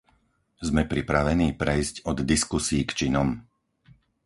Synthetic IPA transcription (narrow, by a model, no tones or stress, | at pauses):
zmɛpɾipɾaʋɛniːpɾɛjzcɔd̪d̪iskusiːkt͡ʃinɔm